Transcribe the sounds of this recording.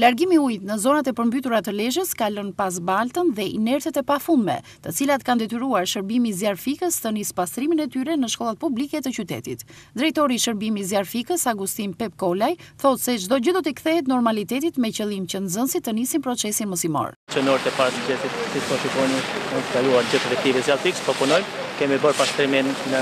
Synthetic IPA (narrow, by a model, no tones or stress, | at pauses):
laɾɡimiujt̪nəzɔnat̪ɛpəɾmbyt̪uɾat̪əlɛʒəskalənpaz̬balt̪ənðɛʔḭnɛɾt̪ɛt̪ɛpafund̪mɛ̰ | t̪ət͡silat̪kand̪ɛt̪yɾuaɾʃəɾbimiziaɾfikəst̪ənispast̪ɾiminɛt̪yɾɛnəʃkɔlˠat̪̚publikɛt̪ət͡ɕyt̪ɛ̰t̪it̪ | d̪ɾɛjt̪ɔɾiːʃəɾbimizaɾfikəsaɡust̪inpɛp̚kɔlajθɔt̪sɛd͡ʒd̪ɔd͡ʑəd̪ɔt̪ikθɛɦɛt̪nɔɾmalit̪ɛt̪it̪mɛcəlˠimcənzənsit̪ːənisinpɾɔt͡sɛsinməsimɔ̰ɾ | t͡ʃənɔɾt̪ɛpaɾt̪d͡ʑɛt̪it̪sisɔfikɔjniɛnskaluaɾd͡ʑəθɾɛkt̪ivɛzjalˠfikspɔpunɔjm | kɛmibəɾpast̪ɾiminːə